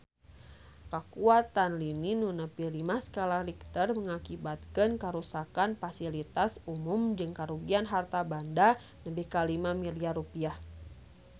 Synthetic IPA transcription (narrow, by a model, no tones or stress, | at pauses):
kakuat̪anlininunəpilimasə̥kalahrik̚t̪ərməŋakibat̪̚kənkəɾusakanfasilit̪asumʊmd͡ʒɨŋkaɾuɡianɦart̪abanda | nəbihkalimamiliarupiah